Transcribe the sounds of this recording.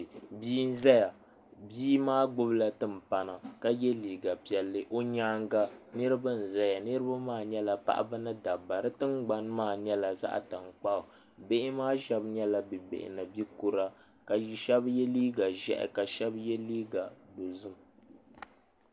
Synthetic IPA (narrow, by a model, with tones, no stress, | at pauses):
biː˦n̩˦za˦ja˨ | biː˦maː˦ɡ͡bʊ˦bla˦tɨ˦m̩˨pa˨na˨ka˦jɛ˦liː˨ɡa˨pi˨ɛ˨lːɨ˦ʔo˦ɲaː˦ŋɡa˦nɨ˦ɾɨ˦bɨ˦n̩˨za˦ja˨nɨ˦ɾɨ˦ba˦maː˦˨ɲɛ˦la˨pa̰˦ʔa̰˦bɨ˦nɨ˦da˨ba˨ɾɨ˦tɨ˦ŋɡ͡ba˦nmaː˦˨ɲɛ˦la˨za̰˦ʔa̰˨ta˨ŋ˨k͡pa˦o˨ | be˦ʔɪ˦maː˦ʒɛ˦bɲɛ˦la˦bɨ˨bḛ˨ʔɪ̰˨na˨bi˦ku˦ɾa˦ | ka˨ʃɛ˦bjɛ˦liː˦ɡa˨ʒɛ̰˦ʔɛ̰˨ka˨ʃɛ˦bjɛ˦liː˦ɡa˨do˨zu˦m